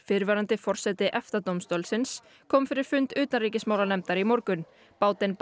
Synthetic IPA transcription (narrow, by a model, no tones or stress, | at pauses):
fɪɾvɛːɾant̪ɪfɔr̥sɛt̪ɪʔɛft̪at̪owmst̪oɔlsɪns | kʰɔːmfɪɾɪɾ̥fʏnt̪ʏːt̪anriːcɪsmaːwlanɛmt̪aɾimɔɾkʏn | paːwt̪ɪnp